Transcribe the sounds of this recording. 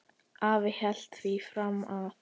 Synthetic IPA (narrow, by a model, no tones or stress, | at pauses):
aːvɪhɛl̥t̪θifɾamːað